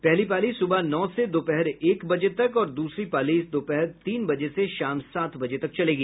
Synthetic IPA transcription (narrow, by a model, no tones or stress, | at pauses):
pɛɦlipaːlisʊbanɔːsed̪oːpɛɦɛɾeːkbɐd͡ʒet̪ɐkɔːɾd̪uːsɾipaːliːsd̪oːpɛɦɛɾt̪iːnbɐd͡ʒeseʃaːmsaːt̪ʰbɐd͡ʒet̪ɐk̚t͡ʃɐleːɡiː